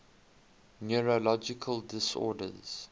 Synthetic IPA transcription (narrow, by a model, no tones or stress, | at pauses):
njɔɹolɔd͡ʒɪkʰəldɪsɔ̰ːdə̰z̥